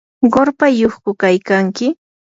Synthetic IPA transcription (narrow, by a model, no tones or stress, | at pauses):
ɢoɾpajoχkʊkajkaŋkɪ